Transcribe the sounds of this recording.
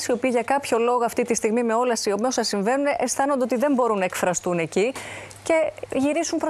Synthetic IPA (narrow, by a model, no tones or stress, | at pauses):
sio̞piːʝɐkɐpço̞lo̞ɣoɐft̪it̪ist̪iɣmime̞o̞lɐsio̞meosɐsiɱve̞nuneʔest̪ɐno̞nd̪eot̪iðe̞mbo̞ɾunːɐekfɾɐst̪une̞cice̞ʝiɾisumpɾo